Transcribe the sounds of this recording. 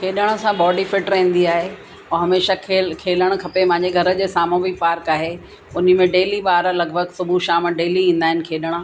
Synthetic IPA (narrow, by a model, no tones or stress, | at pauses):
kʰeːɗəɽ̃ə̆sãbɔːɖifɪʈɾẽĩːn̆d̪iaːɦe | oɦɐmeːʃakʰeːkʰeːləɽ̃kʰɐpepɐ̃ɦɪ̃ɲd͡ʑeɡʱɐɾə̆d͡ʑeːsaːmõbipaːɾkaːɦe | ʊnə̆mẽɖeːliɓaːɾlɐɡbʱəɡsʊbʱuʃaːmɖeːliĩːn̆d̪aːɦɪnɪ̆kʰeːɗəɽ̃